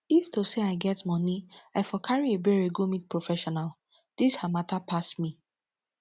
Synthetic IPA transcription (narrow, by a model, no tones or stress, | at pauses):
iftoseaɪɡɛtmɔ̃niaɪfɔkʰaɹiebɛɹeɡomit̚pɹofɛʃɔnal | d̥ishamatapʰasmi